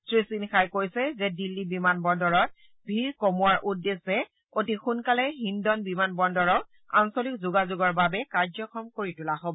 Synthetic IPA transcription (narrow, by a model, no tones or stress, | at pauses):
tɹisinxajkojsɛzɛdilːibimanbɔndɔɹɔt̚ | bʱiɹkomuaɹʔudːesɛ | otixunkalɛɦindɔnbimanbɔndɔɹɔk | ansolik̚zuɡazuɡɔɹbabɛkaɹzɔkʰɔmkoɹitulaɦobɔ